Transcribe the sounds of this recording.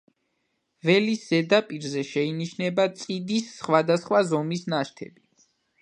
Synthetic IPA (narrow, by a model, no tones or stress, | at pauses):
vɛlisz̥ɛd̪apʼiɾzɛʃɛiniʃnɛbat̪sʼid̪isːχwad̪asχwazɔmisnaʃt̪ʰɛ̰bi